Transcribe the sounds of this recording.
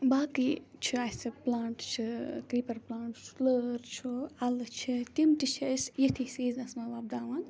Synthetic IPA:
baːkit͡ʃʰiaːsɨplaːɳʈt͡ʃʰikɾiːpɐɾplaːɳʈləːɾt͡ʃʰuɐlt͡ʃʰit̪imt̪it͡ʃʰisjet̪ʰisiːznɐsmɐʋaːb̚d̪aːʋaːn

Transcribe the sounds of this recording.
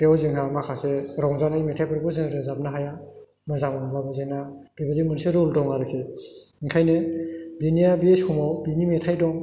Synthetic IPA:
ɾewzɯŋɦamakʰaseɾɔŋzanajmetʰajpɯɾbɔzɯŋɾɯzap̚naɦaja | mɯzaŋɔŋbabɯzena | dibɯdimɯnseɾuldɔŋaɾɯkʰe | iŋkʰajnebinijabieshɔmɔwbinimetʰajdɔŋ

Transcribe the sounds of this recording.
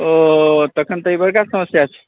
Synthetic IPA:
ot̪əkʰənt̪əibəɾkasəməsjat͡ʃʰɛ̥

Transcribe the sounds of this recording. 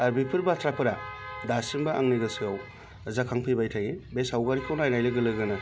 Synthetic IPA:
aɾbipʰɯɾbatɾapʰɯɾadasimbaaŋniɡɐsiɡaw | zakʰaŋpʰibajtʰaɡibesawɡaɾikʰawnajnajlɯɡɯlɯɡɯna

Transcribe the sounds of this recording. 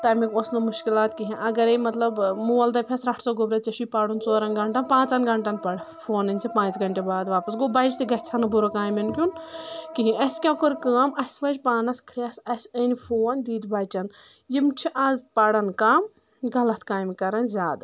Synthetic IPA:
t̪ɐmikoːsnɐmuʃkilaːt̪kiɦĩʔɐɡɐɾemɐt̪lɐbmuɐld̪ɐpʲʰɐsɾɐʈʰsoːɡobɾɐt͡sɐʃupaːɽunt͡soːɾɐnɡɐɳʈɐnpãːt͡sɐnɡɐɳʈɐnpɐɽ | fʰoːnɐnʲt͡sʰipãːt͡sɡɐɳʈebaːd̪ʋaːpɐsɡobɐjd͡ʒt̪iɡɐtʲt͡sʰɐnɐbuɾokaːmɐnkʲunkiɦĩʔɐsʲkʲakoɾkaːmɐsʲʋɐd͡ʒʲpaːnɐskʰɾiasɐsʲɐnʲfʰoːnd̪iːd̪baːt͡ʃʲɐnjimt͡ʃʰiʔɐzpɐɽɐnkaːm | ɡɐlɐt̪ʰkaːjmkɐɾɐnzʲaːd̪

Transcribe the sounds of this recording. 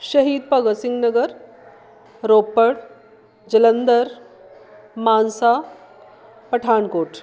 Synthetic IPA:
ɕɐɦiːd̪̚pɐɡəsiŋɡnəɡəɾ | ɾoːpːəɽ | d͡ʑɐlənd̪əɾ | maːnsa | pɐʈʰaːɳkoːʈʰ

